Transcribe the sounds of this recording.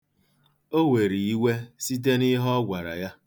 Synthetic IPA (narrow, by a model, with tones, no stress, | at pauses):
o˦we˨ɾi˨i˦we˦si˦t̬e˦ni˦ɦɔ˦ɡʷa˨ɾa̰˨ja˦